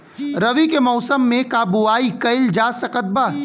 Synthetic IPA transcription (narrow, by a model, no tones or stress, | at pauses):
ɾɐʋikemɔːsəmːẽkaːbuaːikɐɪld͡ʒaːsɐkət̪̚baː